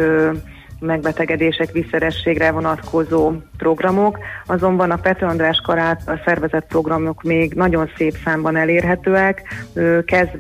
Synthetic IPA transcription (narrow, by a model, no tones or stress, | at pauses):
mɛɡ̚bɛt̪ɛɡɛd̪eːʃɛkʋisɛɾɛʃːeːɡrɛvo̞nɒt̪kʰo̞zoːpro̞ɡrɒmokɒzo̞mbɒnɒpɛt̪ɒnd̪raːʃkɒɾaːt̪ɒsɛrvɛzɛt̪̚pro̞ɡrɒmo̞kmeːɡnɒɟo̞nseːpsaːmbɒnɛleːrɦɛt̪øːɛkøːkːɛzd̪